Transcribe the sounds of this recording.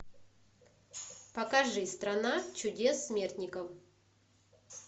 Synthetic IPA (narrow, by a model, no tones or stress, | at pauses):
pɐkɐʐɨst̪ɾɐnat͡ɕʊdʲe̞sːmʲert̪ʲnʲɪkəf